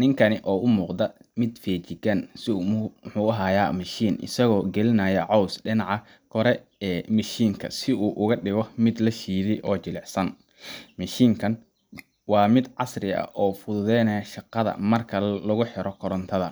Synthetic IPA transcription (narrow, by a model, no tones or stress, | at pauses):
nɪŋkʰɐnɪʔɔːʊmuːqd̪ɐ | mɪd̪fɛːt͡ʃɪɡɐnsɪħuːɐɦaːjaːmɐʃiːnʔɪ̰sɐɣɔːɡɛlɪnɐːjɐʕɔwsɖɪnɑʕɑ | kʰɔɾɛ | ɛːmɐʃiːŋkʰɐ̰sɪuːʔʊɣɐɖɪɣɔmɪd̪lɐʃiːðɪʔɔːt͡ʃɪlɛħsɐn | mɐʃiːŋkʰɐn | wɑːmɪd̪ʕɑsrɪɐ̰ʔɔːfʊðʊðɛjnɐjʃɑqɑðɐ̰mɐrkʰɐlɐɣʊħɪɾɔkʰɔɾɔnt̪ʰɐðɐ̰